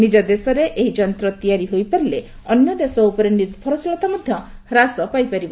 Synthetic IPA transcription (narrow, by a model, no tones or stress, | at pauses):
nid͡ʒɔd̪esɔɾeʔeɦid͡ʒɔnt̪ɾɔt̪ijaɾiɦojpaɾile | ɔnjɔd̪esɔupɔɾeniɾbʱɔɾɔsilɔt̪amɔd̪ʱjɔɾasɔpajpaɾibɔ